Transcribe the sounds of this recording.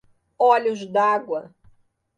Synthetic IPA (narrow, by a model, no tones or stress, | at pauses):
ɔlʲʊzd̪aɡwɐ